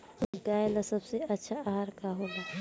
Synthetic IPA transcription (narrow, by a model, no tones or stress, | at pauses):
ɡaːelɐsɐbseɐtːʃʰaɦaɾkaɦoːɡaː